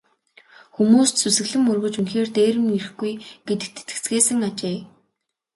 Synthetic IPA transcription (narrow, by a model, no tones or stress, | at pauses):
xumuːst̪sʰusɘ̆ɣɮɘ̆mɵrɣɵ̆t͡ɕunxeːrt̪eːɾɘ̆mirɘ̆xɡujɡ̥et̪ɘ̆k̚t̪ʰe̥t̪ɡɘ̥̆t͡sɡeːsɘ̆ŋat͡ɕeː